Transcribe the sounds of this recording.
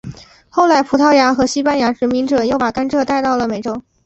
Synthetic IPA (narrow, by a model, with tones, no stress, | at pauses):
xo˥˩ʊla˥˩ɪpʰu˧˥t̪ʰɑ˥ʊja˧˥xɤ˧˥ɕi˥pa˥nja˧˥ʈ͡ʂɻ̩˧˥mi˧˥ŋʈ͡ʂɤ˨˩˦jo˥˩ʊpa˨˩ka˥nʈ͡ʂʰɤ˥˧t̪a˥˧ɪt̪ɑ˥˩ʊlə˩me˨˩ɪʈ͡ʂo˥˩ʊ